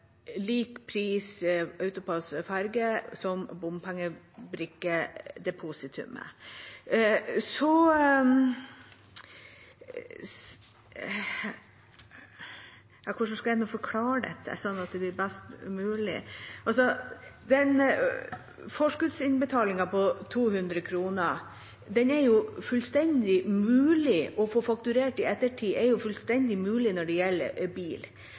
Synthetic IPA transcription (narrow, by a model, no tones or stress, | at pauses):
liːkpʰɾiːsɑʉt̪ʊpʰɑsfæɾɡəsɔmbʊmpʰæŋːə | bɾʉkːəd̪ɛpʰuːsɪt̪ʰʉ̰mə̰ | sɔ | ɑkʰʊʂ̬ɔskɑɛnːʊfɔɾkʰlɑːɾəɖɛ̰t̪ʰːə̰sɔnːɑt̪̚d̪ɛblɪɾbæst̪mʉːlɪ̰ʔɑls̬ɔd̪ɛn | fɔʂkʉd̪sɪnbət̪ʰɑːlɪŋɑpɔt̪ʰuːhʉnd̪ɾəkʰɾuːnə | d̪ɛnɛɾjʊfʉlst̪ɛnd̪ɪmʉːlɪʔɔfoːfɑk̚t̪ʉɾeːʈɪɛt̪ːəʈʰiːʔɛɾjʊfʉlst̪ɛnd̪ɪmʉːlɪnɔɖɛjɛlːə̰ɾbiːl